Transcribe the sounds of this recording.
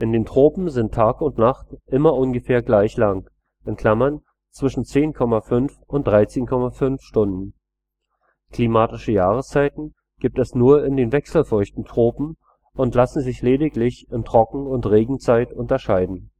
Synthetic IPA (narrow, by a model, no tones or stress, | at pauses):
ʔɪndeːntʁ̥oːpm̩zɪntʰaːkʊntnaχtʔɪmɐʔʊnɡəfeːɐɡlaɪçlaŋ | ʔɪnkʰl̥amɐn | t͡sv̥ɪʃn̩t͡seːnkʰɔmafʏnfʔʊnt̚d̥ʁaɪt͡seːnkʰɔmafʏnfʃtʊndn̩ | kl̥iːmaːtɪʃəjaːʁəst͡saɪtn̩ | ɡ̥iːp̚tɛsnuːɐɪndeːnvɛksl̩fʊɐçtn̩tʁ̥oːpm̩ | ʔʊntlasn̩zɪçleːdɪklɪçɪntʁ̥ɔkŋ̩ʊntʁeːɡŋ̩t͡saɪtʊntɐʃaɪdn̩